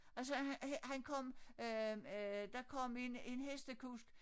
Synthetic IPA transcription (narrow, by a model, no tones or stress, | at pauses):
æls̬əhhhænkʰɒ̽m̰ø | d̥ɑ̈kʰɒ̽m̰e̝ne̝nɦesd̥əkʰusɡ̥